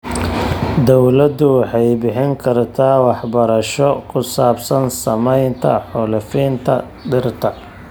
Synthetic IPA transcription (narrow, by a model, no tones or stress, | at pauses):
d̪ɔwlɐd̪ʊwɑħɑjbɪħɪŋkʰɐrt̪ʰaːwɑħbɐɾɐʃɔkʰʊsaːbsɐnsɐmɛjnt̪ʰɐ̰ħʊlɪfiːnt̪ʰɐ̰ | ɖ̪ɪrt̪ʰɐ